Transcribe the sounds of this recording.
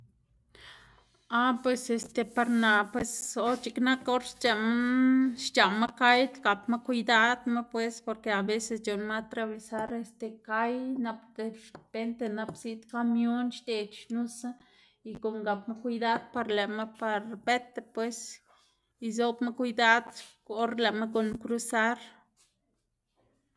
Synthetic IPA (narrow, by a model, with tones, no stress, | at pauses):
a˦pwe˧se˧st̪e˧pa˧ɾna˨pwe˧so˧˦t͡ʃi˧kna˦ko˦ɾʃt͡ʃa˧maʃt͡ʃa˨ma˦ka˦jt̪ɡa˨pma˦kʷud̪a˦d̪ma˦pwe˦spo˧ɾke˧a˨be˦se˧sd͡ʒo˨nma˦t̪ɾa˧βe˧sa˦ɾe˧st̪e˨ka˦jna˧pd̪e˧pe˦nt̪e˧na˧psi˦ʔt̪ka˧mjo˦nʃt̪e˨t͡ʃʃnu˦sa˦ | i˧ko˨ŋɡa˨pma˦kʷujd̪a˦d̪̚pa˧ɾle˨ʔma˦pa˧ɾbe˦t̪epwe˦s | i˧zo˦bma˦kʷujd̪a˦d̪ | o˦ɾle˨ma˦ko˧˨nkɾu˦sa˦ɾ